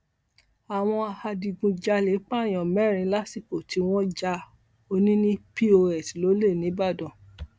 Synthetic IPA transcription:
a˨w̃ɔ̃˧a˧ha˧di˧ɡũ˧d͡ʒa˧le˨˦k͡pa˦˨j̃ɔ̃˨mɛ˦˨ɾ̃ĩ˧˦la˦si˦˨ko˨ti˨˦w̃ɔ̃˦d͡ʒa˧ | o˧nĩ˦nĩ˦pi˦o˧ɛ˨tlo˨˦le˦˨nĩ˨˦ba˦˨dɔ̃˨

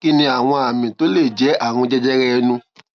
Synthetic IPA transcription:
ki˦nĩ˧a˨w̃ɔ̃˧a˨mĩ˨to˨˦le˦˨d͡ʒɛ˨˦a˦˨w̃ɔ̃˧d͡ʒɛ˦d͡ʒɛ˦ɾɛ˦˧nũ˧˦

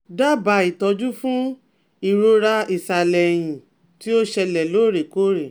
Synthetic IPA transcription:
da˦ba˨˦i˨tɔ˧d͡ʒu˦fũ˦ | i˦˨ɾo˧ɾa˧i˨sa˨lɛ˨j̃ĩ˨ | ti˦o˦ʃɛ˧lɛ˨lo˨˦˨ɾe˨ko˦ɾe˨

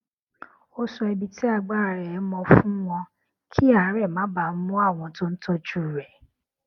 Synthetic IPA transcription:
o˦sɔ˧ɛ˧bi˧ti˦a˦˧˨ɡ͡ba˦˨ɾɛ˨˦mɔ̃˧fũ˦w̃ɔ̃˧ | kʰi˦a˨˦ɾɛ˦˨mãː˨˦ba˨n̩˦mũ˦a˦˨w̃ɔ̃˨˦tõ˦n̩˦tɔ˧d͡ʒu˦˨ɾɛ˨

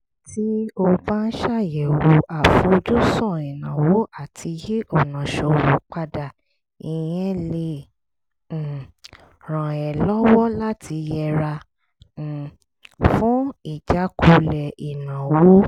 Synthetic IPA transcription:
ti˦o˧ba˦n̩˦ʃa˦˨jɛ˨wo˨a˨fũ˧˦o˧d͡ʒu˦sɔ̃˦˨i˨nã˨wo˦ʔa˦˨tʰi˧je˦ʔɔ˦˨nã˨ʃo˨wo˨k͡pa˦da˨ | i˨jɛ̃˦le˧˨ | ɾ̃ã˨ɛ˨lɔ˦wɔ˦la˦tʰi˧jɛ˧ɾã˧˨ | fũ˦i˦˨d͡ʒa˨˦kʰo˧lɛ˨i˨nã˨wo˦

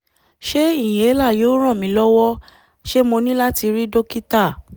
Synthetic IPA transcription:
ʃe˦i˦˨j̃ẽ˨e˦la˦˨jo˨˦ɾ̃ɔ̃˦˨mĩ˨˦lɔ˦wɔ˦ | ʃe˦mo˧nĩ˦la˦ti˧ɾi˦do˦ki˦ta˦˨

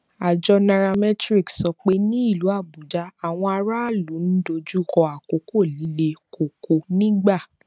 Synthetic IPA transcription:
a˨d͡ʒɔ˧nã˧ɾa˧mɛ˦tɾi˦˨ksɔ˧k͡pe˦nĩ˦i˦˨lu˨˦a˦˨bu˨d͡ʒa˨˦a˨w̃ɔ̃˧a˧ɾa˦˨lu˨˦n̩˦do˧d͡ʒu˦kɔ˧a˨ko˨ko˦˨li˨˦le˧ko˨ko˨nĩ˦ɡ͡ba˦˨

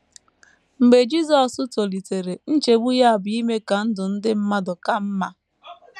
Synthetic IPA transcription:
m̩˨ɡ͡be˨d͡ʒi˦zɔ˨sʊ˦to˨li˨te˨ɾe˨n̩˦t͡ʃe˨ɡ͡bu˦ja˦a˨bʊ˨˦i˦me˦ka˨n̩˦dʊ˨n̩˦dɪ˦m̩˦ma˦dʊ˨ka˦m̩˦ma˦

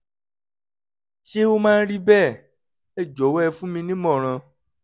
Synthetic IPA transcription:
ʃe˦o˦mã˦˧n̩˦ɾi˦bɛː˦˨ | ɛ˦˨d͡ʒɔ˨˦wɛ˧fũ˦mĩ˧nĩ˦mɔ̃˦˨ɾ̃ã˧

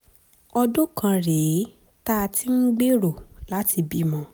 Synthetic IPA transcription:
ɔ˧dõ˦kã˧ɾe˨˦ | ta˦˧ti˦m̩˦ɡ͡be˦ɾo˨la˦ti˧bi˦mɔ̃˧˦

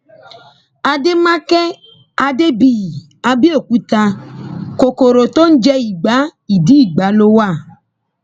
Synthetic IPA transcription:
a˧de˦mã˦kɛ˦ | a˧de˦bi˨ | a˧bi˦o˦˨ku˦ta˧ko˨ko˨ɾo˨t̪o˦n̩˦d͡ʒɛ˦i˨ɡ͡ba˨˦i˨di˨˦i˦˨ɡ͡ba˨˦lo˦wa˦˨

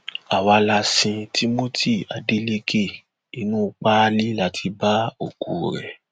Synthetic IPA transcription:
a˨wa˧la˧sĩ˧ti˦mo˦tʰi˦˨a˨de˨˦le˧ke˦˨ | i˧nũ˦˧k͡pa˦˧li˦la˦tʰi˧ba˦o˦˨ku˨ɾɛ˨

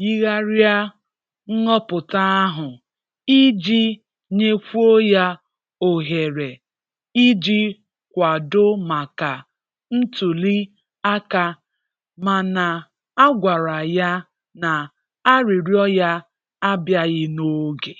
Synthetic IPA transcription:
ji˦ɣa˦ɾja˦ | ŋ̩˦ŋɔ˦pʊ˨ta˦a˦ɦʊ˨ | i˦d͡ʒi˦ | ɲe˦kʷu˦o˦ja˦ | o˨ɦe˨ɾe˨ | i˦d͡ʒi˦ | kʷa˨dʊ˦ma˨ka˨ | n̩˦tu˨li˦ | a˦ka˦ | ma˨na˨ | a˦ɡʷa˨ɾa˨ja˦ | na˨ | a˦ɾi˨ɾjɔ˦ja˦ | a˦bja˦ɣɪ˦no˦ɡe˨

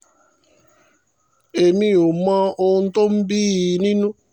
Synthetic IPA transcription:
e˨mĩ˦o˨mã˦o˦n̩˦to˦m̩˦bi˦˨nĩ˦nũ˦

